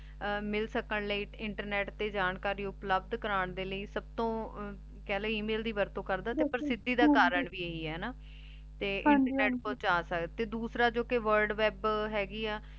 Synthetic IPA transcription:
mɪlsəkəɳləiːɪɳʈəɾnɛːʈt̪eːd͡ʒaːnkaːɾiːʊpləbd̪kəɾaːɳd̪eːləiːsəb̚t̪õː | kɛːləːiːmeːld̪iːʋəɾt̪õːkəɾd̪aːt̪eːpəɾsɪd̪ːiːd̪aːkaːɾəɳʋiːeiːɛːnaː | t̪eːʔɪ̃ɳʈəɾnɛːʈpɔ̃ːt͡ʃaːsək̪t̪eːd̪uːsɾaːd͡ʒoːkɪʋəɾɖʋɛːbɦɛːɡiːaː

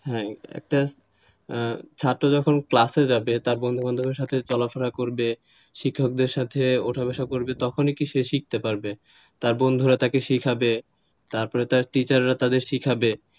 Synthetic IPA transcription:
ɦɛ̃ɛ̰k̚ʈa | t͡ɕʰaʈːod͡ʑɔkʰonklased͡ʑabet̪aɾbond̪ʱuband̪ʱumeɾʃat̪ʰet͡ɕɔlafʰaɾakoɾbe | ʃikʰːok̚d̪eɾʃat̪ʰeoʈʰabaʃakoɾbet̪ɔkʰonikiʃeʃik̚t̪epaɾbe | t̪aɾbond̪ʱuɾat̪akeʃikʰabe | t̪aɾpɔɾet̪aɾʈit͡ɕaɾːat̪ad̪eɾʃikʰabe

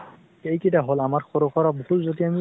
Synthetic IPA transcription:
ejkitaɦolamaɹxɔɾokʰɔɹaboɦutzotiami

